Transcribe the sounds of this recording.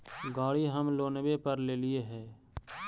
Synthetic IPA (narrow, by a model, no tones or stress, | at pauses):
ɡaːɽiɦəmloːnbepəɾleːlɪeɦɛː